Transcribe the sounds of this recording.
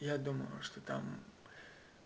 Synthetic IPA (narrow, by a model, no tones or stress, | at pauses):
jad̪uməjʊ̰ʂt̪ot̪a̰m